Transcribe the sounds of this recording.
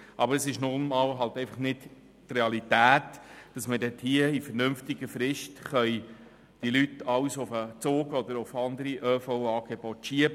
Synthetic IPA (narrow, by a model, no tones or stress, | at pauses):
ʔɑbəɾəsɪʃnʊnmɑːlɦɑltɛɪfɑ̥χnɪt | treɑlitæːtd̥ɑsmədɛt̪hiəifəɾnɵmftɪɡəfɾɪʃtχœj | d̥ilytɑwsʊfət͡soːɡɔd̪əɾʊfɑnd̪əɾiʔœːfɔwɑːɡ̥ɛb̥ɔtʃiəbə